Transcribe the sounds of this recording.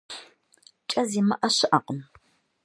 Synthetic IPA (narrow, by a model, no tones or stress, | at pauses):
t͡ʃʼɐziːmɐʔɐɕɪʔɐqəm